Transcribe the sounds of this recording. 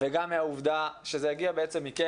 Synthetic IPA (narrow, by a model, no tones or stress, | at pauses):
veɡamːeauvd̪aʃezejaɡiabeet͡se̞mːike